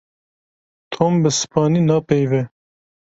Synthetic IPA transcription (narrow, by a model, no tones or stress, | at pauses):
t̪ʰoːmbəsɨ̥pɑːniːnɑːpejvɛ